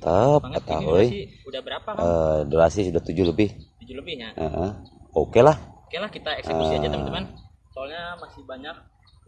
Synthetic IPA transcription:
t̪əp̚ət̪aɦuidabəɾaədoɾasisudaht̪ud͡ʒuləbɪh | əʔəokelahkelakit̪aksə | solɲamasɪhbaɲak

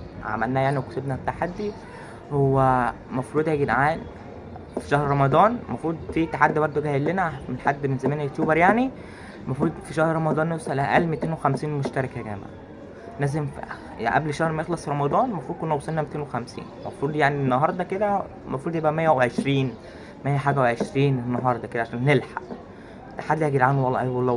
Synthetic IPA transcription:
ʕa̰mælnæjaʕniwekosebnæt̪ːaħad̪ːi | howːæ | mɑfɾuːd̪hæɡenʕaːn | fi̥ʃæhɾɾˤɑmɑd̪ˤɑːnmɑfɾuːd̪fiːt̪ːaħad̪ːibɑɾˤd̪ˤoɡæhelːenæmenħad̪ːmenzæmæːnæʔokt̪ːoːbɑɾjaʕni | mɑfɾuːd̪fiʃæhɾɾˤɑmɑd̪ˤɑːnːosˤælææʔælmet̪eːnwexæmsiːnmoʃt̪æɾˤɑkæɡæ̰ːbæ̰ | læːzemf | ʔæ̰blʃæhɾmæjexlɑsˤɾˤɑmɑd̪ˤɑːnmɑfɾud̪̚konːæwosˤelnæmet̪eːnwexæmsḭːnmɑ̰fɾuːd̪ˤjaʕnienːɑɦɑɾˤd̪ˤɑked̪æ | mɑfɾuːd̪jebʔæmæjːæweʕeʃɾiːn | mæjːæħaːɡæweʕeʃɾiːnenːɑɦɑɾˤd̪ˤɑked̪æʕaʃæːnːelħa̰ʔ | t̪ːḁħad̪ːhæːɡid̪ʕanowɑlˤːɑ̰ʔæwɑlˤːɑ

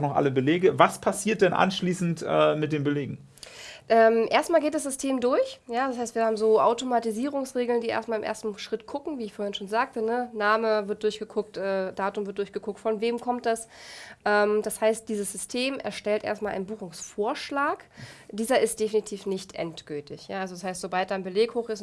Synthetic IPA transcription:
χnɔχʔa̰ləbəleːɡəvaspʰasiːɐt̚d̥ɛnʔa̰nʃliːsn̩tʔɛ̰ːmɪt̚d̥eːnbəleːɡŋ̩ | ʔɛːmʔeːɐstmaːlɡeːtd̥asz̥ʏstʰeːmdʊɐçjaːdashaɪstv̥iːɐhaːbm̩zoːʔaʊtomatiziːʁ̞ʊŋsʁeːɡl̩ndiːʔḛɐstmaːlɪmʔḛɐstn̩ʃʁ̥ɪtɡ̥ʰʊkŋ̩viːɪçfoːɐhɪnʃoːnzaːk̚tənənaːməvɪɐt̚d̥ʊɐçɡ̥əkʰʊk̚tʔɛːd̥aːtʊmvɪɐt̚d̥ʊɐçɡ̥əkʰʊk̚tfɔnveːmkʰɔmt̚d̥asʔɛːmd̥ashaɪst̚d̥iːzəsz̥ʏstʰeːmʔɛ̰ɐʃtɛltʔḛːɐstmalʔa̰ɪnbuːxʊŋsfoːɐʃlaːkd̥iːzɐʔɪst̚d̥efinitʰiːfnɪçtʔɛ̰ntɡ̥ʏltʰɪçjaːalzodashaɪstz̥obalt̚d̥anbəleːkhoːxɪs

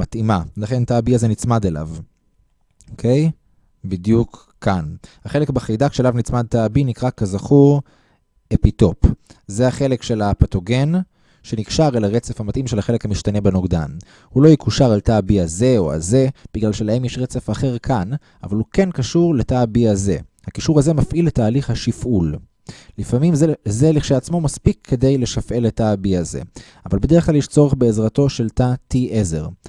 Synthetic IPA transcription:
matimalaχe̞ntaːbiazenit͡smad̪ela̰v | okʰe̞j | bidjukʰː | anhaχe̞le̞kbaχejdakʃelavnit͡smad̪̚taːbinikʁakazaχuʁ | epito̞pzeaχe̞le̞kʃe̞lapato̞ɡen | ʃe̞nikʃaʁelaʁet͡sefamatʔimʃe̞laχelekhamiʃtane̞benoɡda̰n | hulo̞jikuʃaʁaltabiaze̞o̞̰a̰ze̞b̥iɡlalʃelahemjeʃʁet͡sefaχe̞ʁkʰan | a̰valuke̞nkaʃuʁletabiaze̞̰ | hakiʃuʁaze̞mafʔilːetaːliχhaʃifʔul | lifamimzzeliχʃeat͡smo̞maspikʰːe̞d̪ejle̞ʃafʔe̞letabiazḛ | avalbed̪e̞ʁχklaljeʃt͡so̞ʁeχbe̞ːzʁato̞ʃe̞ltatiʔeze̞̰ʁ

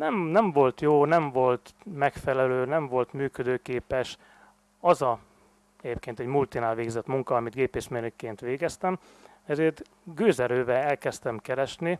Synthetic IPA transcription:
nɛmnɛɱvo̞lt̪joːnɛɱvo̞lt̪mɛkfɛlɛløːnɛɱvo̞lt̪myːkød̪øːkeːpɛʃ | ɒzɒ | ɛɟeːp̚keːnt̪ɛɟmult̪inaːlʋeːɡzɛt̪muŋkɒɒmid̪ɡeːpeːʃmenykːeːnt̪ʋeːɡɛst̪ɛm | ɛzeːrt̪ | ɡøːzɛɾøːvɛɛlkɛst̪ɛmkɛɾɛʃni

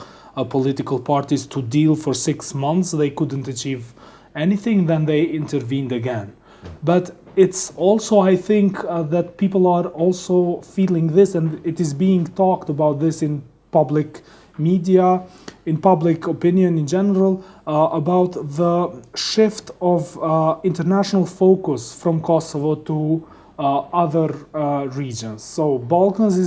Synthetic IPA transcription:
pʰɔlɪɾɨkl̩ˠpʰɑɹtiz̥tʰudilˠfə˞sɪksmʌ̃nθsðeɪkʊdⁿn̩tɨt͡ʃiv | ɛniθɪ̃ŋðɨ̃nðeɪɪ̃ntə˞vĩndɨɡɛ̃n | bʌt | ɪtsɔlˠsoʊaɪθɪ̃ŋkðɨt̚pʰipl̩ˠəɹɔlˠsoʊfilˠɪ̃ŋðɪsɨ̃ndɪɾɨzbiɪ̃ŋtʰɔktəbaʊt̪̚ðɪsɨ̃n | pʌblɪk | midiə | ɨ̃npʌblɪkʰəpɪ̃njɨ̃nɨ̃nd͡ʒɛnə˞əl̩ˠʔəbaʊt̪ðəʃɪftʌvɪ̃ntə˞næʃənəl̩ˠfoʊkəsfɹʌ̃mkʰɔsəvotʰu | ʌðə˞ɹid͡ʒə̃nz̥soʊbɔlˠkə̃nzɪ

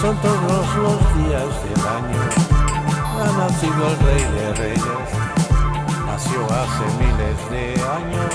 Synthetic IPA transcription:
sont̪oðozlozðiazðelaɲo | anasiðoelrejðerejes | nasjoasemilezðeaɲo

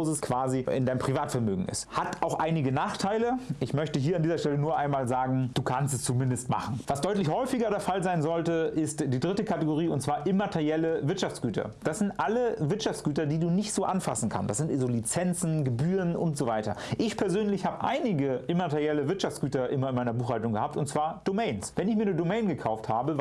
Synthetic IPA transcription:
zəskv̥aːziɪ̰ndaɪnmʁ̥ivaːtfɛɐmø̰ːɡŋ̩ɪ̰sthataʊxʔaɪnɪɡənaːχtʰaɪləʔɪçmœçtəɦiːɐandiːzɐʃtɛlənuːɐʔaɪnmaːlzaːɡŋ̩d̥uːkʰanstɛst͡sumɪndəstma̰χn̩vasd̥ɔʏtlɪçhɔʏfɪɡɐɾeːɐfalzaɪnzɔltəʔɪstd̥iːdʁɪtəkʰatəɡoʁ̞iːʊntt͡sv̥aːɐʔɪmatʰɛʁjɛləvɪɐtʃaft͡sɡ̥yːtʰɐ̰d̥asz̥ɪntʔaləvɪɐtʃaft͡sɡ̥yːtɐdiːduːnɪçtz̥oːʔanfa̰sn̩kʰa̰nsd̥asz̥ɪntzoːlit͡sɛnt͡sn̩ɡəbyːʁənʔʊntz̥ovaɪtɐ̰ʔɪçpʰɛɐzøːnlɪçhaːbəʔa̰ɪnɪɡəʔɪmatɛʁjɛləvɪɐtʃaft͡sɡ̥yːtɐʔɪnmɐɪnmaɪnɐbuːxhaltʊŋɡəhaːp̚tʊntt͡sv̥aːɐd̥omɛɪnsvɛnɪçmiːɐnədomɛɪnɡəkʰaʊfthaːbə

